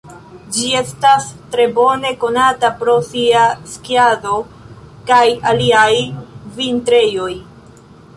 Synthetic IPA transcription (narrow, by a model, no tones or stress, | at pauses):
d͡ʒie̞stastɾe̞bo̞ne̞ko̞natapɾo̞siaskiado̞ | kajaliajvintɾe̞jo̞j